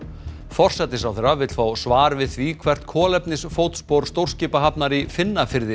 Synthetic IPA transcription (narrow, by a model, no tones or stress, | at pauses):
fɔr̥sɛt̪ːɪs̬awθɛɾavɪt̪l̥faːwsvaːɾvɪðθvikʰvɛr̥t̪kʰɔːlɛpnɪsfowt̪spowɾ̥st̪owr̥scɪːpaɦapnaɾifɪnːafɪɾðɪ